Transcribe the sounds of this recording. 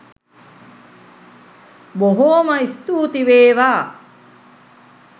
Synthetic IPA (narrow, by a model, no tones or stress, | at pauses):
boɦoːməist̪uːt̪iʋeːʋaː